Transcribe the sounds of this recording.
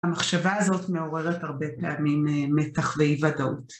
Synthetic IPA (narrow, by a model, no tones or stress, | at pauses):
amaχʃavaazo̞tme̞o̞ʁe̞ʁethaʁbe̞peamimmːe̞taχveivadaut